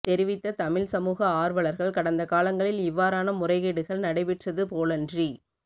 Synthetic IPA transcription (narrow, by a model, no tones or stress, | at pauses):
t̪ɛɾɪʋɪt̪ːɐt̪ɐmɪɭsɐmuːɣɐaːɾʋɐɭɐɾɣɐɭkɐɽɐnd̪ɐkaːlɐŋɡɐɭɪlɪʋːaːɾaːnɐmʊrɐɪɣeːɽɯɣɐɭnɐɽɐɪʋɪʈrɐðɯpoːlɐndri